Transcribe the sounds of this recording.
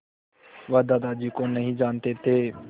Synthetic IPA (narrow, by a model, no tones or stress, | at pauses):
ʋəd̪aːd̪aːd͡ʒiːkoːnəɦĩːd͡ʒaːnt̪eːt̪ʰeː